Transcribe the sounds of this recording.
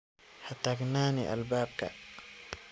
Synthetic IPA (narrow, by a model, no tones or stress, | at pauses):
hat̪aɡnaːniʔa̰lbaːb̚ka̰